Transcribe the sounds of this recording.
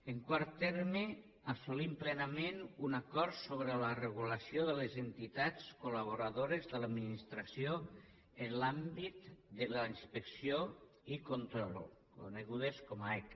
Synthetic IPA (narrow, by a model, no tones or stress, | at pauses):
eŋkwaɾt̪ːɛɾme | asulimplɛnamenunakɔɾt̪soβɾələrəɣuləsioðəlezent̪it̪at͡skulaβoɾaðoɾezðəlad̪minist̪ɾasio | enlambit̪d̪əlainspəksijo | ikont̪ɾɔlkṵneɣuðeskɔmaɛk